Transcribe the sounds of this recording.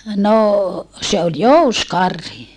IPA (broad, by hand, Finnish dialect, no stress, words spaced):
noˑ se ol jouskɑrhi